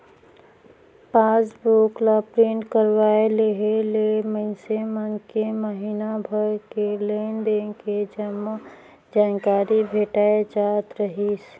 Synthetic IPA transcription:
paːsbuklapɾeːɳʈkəɾwaːeleɦeleməɪsemənkeməɦiːnabʱəjkeleːnd̪eːked͡ʒəm | d͡ʒaːnkaːɾibʱeːʈaːed͡ʒaːt̪ɾəɦiːs

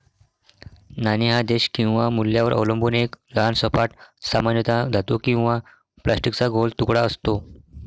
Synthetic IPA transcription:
naniɦad̪eɕkĩw̃ʋamulːjaʋəɾʔə̰ʋləmbunekləansəpaʈsamanjət̪ad͡zʱat̪okĩw̃ʋa | plʔasʈikt͡saɡolt̪ukɽaəst̪o

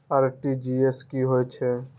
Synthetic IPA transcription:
aɾʈid͡ʒieskiɦoet͡ʃʰe

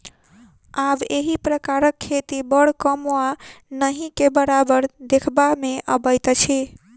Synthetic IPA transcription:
abeɦipɾəkaɾəkʰːet̪ibəɽkəmwanəɦĩkebəɾabəɾd̪ekʰbameʔəbəjt̪t͡ʃʰi

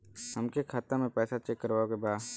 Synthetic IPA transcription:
həmkekʰaːt̪əmẽpɛːsat͡ʃekːəɾʋaːokebaː

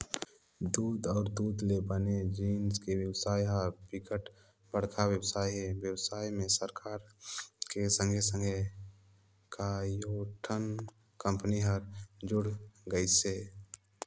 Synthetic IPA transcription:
d̪uːd̪ɔːɾd̪uːd̪lebəned͡ʒiːnskewjəsaːjɦəɾbikəʈ | b̥əɽ̤kʰawjəbsaːjɦewjəwsaːimẽsəɾkʰaːɾkesə̃ŋɡʱesə̃ŋɡʱe | kajoʈʰən | kə̃mpniɦəɾd͡ʒʊɽɡəiseː

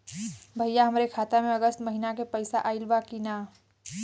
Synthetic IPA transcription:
bʱəjaɦəmɾekʰaːt̪ameəɡəst̪məɦinakepəɪsaʔaɪlbakina

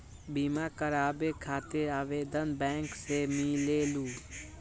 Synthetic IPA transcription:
biːmakəɾaːbekʰaːt̪eaːʋeːd̪ənbɛ̃ːŋksemiːleːluː

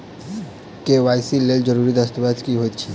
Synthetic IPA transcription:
keʋajsilːeld͡ʒəɾuɾid̪ast̪əbad̪kiɦojt̪t͡ʃʰiː

